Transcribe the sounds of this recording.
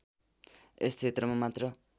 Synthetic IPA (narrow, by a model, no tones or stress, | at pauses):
est͡sʰet̪rʌmamat̪rʌ